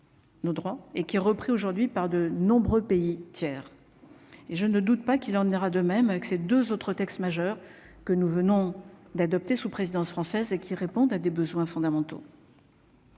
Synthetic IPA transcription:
nod̪ʁwaekʲiɛʁəpχioʒuʁd̪ɥipaʁd̪ənɔ̃bʁøpeit̪jɛːʁ | eʒənəd̪ut̪pakilɑ̃neʁad̪əmɛmavɛksed̪øzot̪χət̪ɛkst̪maʒœʁ | kənuvənɔ̃d̪ad̪ɔp̚t̪esupχezid̪ɑ̃sfχɑ̃sɛzekʲʰiʁepɔ̃d̪ad̪ebəzwɛ̃fɔ̃d̪amɑ̃t̪o̰

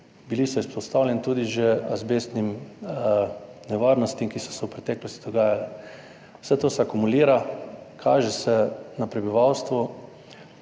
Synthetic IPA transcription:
bilisɔispɔt̪st̪awlʲɛnit̪uːd̪iʒɛazbeːst̪nim | nɛʋaːɾnɔst̪imkisɔ̥sɛwpɾɛt̪ɛːklɔst̪id̪ɔɡaːjalɛ | w̥sɛt̪oːsɛakumuliːɾakʰaːʒɛsɛnapɾɛbiʋawst̪ʋu

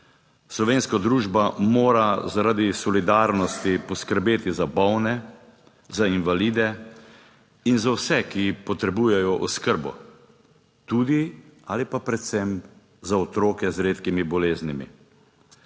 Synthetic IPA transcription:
slɔʋeːnskad̪ɾuːʒbamoːɾazaɾad̪isɔlid̪aɾnɔst̪ipɔskəɾbeːt̪izabɔwnɛ | zainʋaliːd̪ɛ | inzawsɛkipɔt̪ɾɛbuːjɛjɔʔɔskəɾbɔ̰ | t̪uːd̪ia̰ːlipapɾɛt̪sɛm | zaɔt̪ɾoːkɛzɾeːt̪kimibɔleːznimḭ

